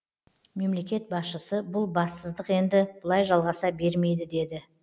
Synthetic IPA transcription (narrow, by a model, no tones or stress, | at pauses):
me̞mle̞kʲe̞t̪̚bɑsʃəsəbʊlˠbɑsːəzd̪əqe̞nd̪ɪb̥ʊlˠɑjʒɑlˠʁɑsɑbe̞ɾme̞jd̪ɪd̪e̞d̪ɪ